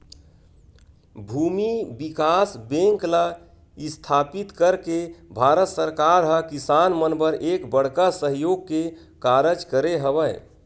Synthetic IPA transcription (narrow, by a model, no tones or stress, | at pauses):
bʱuːmibikasbẽŋkla | ɪst̪ʰaːpit̪kəɾkebʱaːɾət̪səɾkaɾɦəkisanmənbəɾʔeːkbəɽ̤kasəɦjoɡ̚ke | kaɾəd͡ʒkəɾeɦəbə